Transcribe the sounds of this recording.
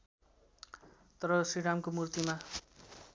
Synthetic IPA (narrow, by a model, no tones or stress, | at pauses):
t̪ʌɾʌsiɽamkomurt̪ima